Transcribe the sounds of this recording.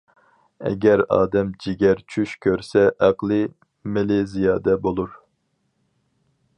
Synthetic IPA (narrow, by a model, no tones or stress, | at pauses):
ɛ̰ɡʲɛɾɑ̰ːd̪ɛmd͡ʒiɡʲɛɾt͡ʃʰyʃkʲʰøɾsɛʔɛqlˠɨ | melezijɑːd̪ɛbolˠuɾ